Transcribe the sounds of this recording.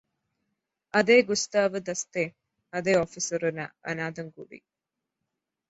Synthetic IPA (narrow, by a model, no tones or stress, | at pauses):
ʔɐd̪eːɡust̪aːʋəd̪ɐst̪eː | ɐd̪eːofisɐɾuna̰ːʔɐ̰naːd̪ɐŋɡuɖḭː